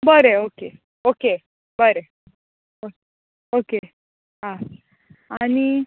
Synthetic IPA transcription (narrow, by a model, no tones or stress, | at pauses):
bəɾeoke | oke | bəɾe | o | oke | ɦã | añi